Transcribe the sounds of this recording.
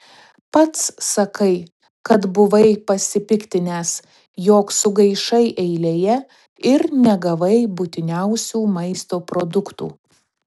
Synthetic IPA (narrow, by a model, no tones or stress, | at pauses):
pɐt̪sːɐkɐɪ | kɐt̪bʊʋɐɪpɐsʲɪpʲɪkt̪ʲɪnʲeːs | joːksʊɡɐɪʃɐɪʔɛɪlʲeːjɛ | ɪɾnʲɛɡɐʋɐɪbʊt̪ʲɪnʲɛʊsʲuːmɐɪst̪oːpɾod̪ʊkt̪ṵː